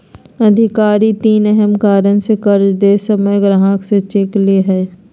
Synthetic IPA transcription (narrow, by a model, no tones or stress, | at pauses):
ɐd̪ʱɪkaːɾit̪iːnɛɦɛmkaːɾənsekɐɾd͡ʒd̪eːsəməjɡɾaɦãkset͡ʃekleɦɛː